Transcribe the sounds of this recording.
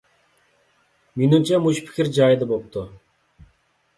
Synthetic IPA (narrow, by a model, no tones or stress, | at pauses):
menimt͡ʃʰɛmuʃpʰɪ̥kʲʰɪɾd͡ʒɑjd̪abop̚t̪ʊ